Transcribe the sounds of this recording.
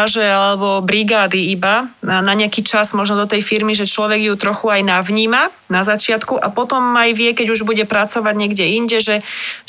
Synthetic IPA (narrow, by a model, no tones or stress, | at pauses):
aʒɛalɛbɔbɾiɡaːd̪iibanaɲɛakiːt͡ʃazmɔʒnɔd̪ɔt̪ɛjfiɾmiʒɛt͡ʃlɔʋɛɡjut̪ɾɔxuajnaʋɲiːma | nazat͡ʃɪat̪kuʔapɔt̪ɔmajʋɪɛkɛɟuʒbuɟɛpɾat͡sɔʋaɟɲɛɡɟɛiɲɟɛʒɛ